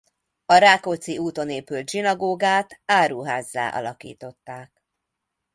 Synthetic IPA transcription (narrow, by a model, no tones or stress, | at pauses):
ɒɾaːkot̪siuːt̪o̞neːpylt̪ʒinɒɡoːɡaːt̪aːɾuːɦaːzːa̰ːʔɒ̰lɒkḭːt̪o̞t̪ːaːk̚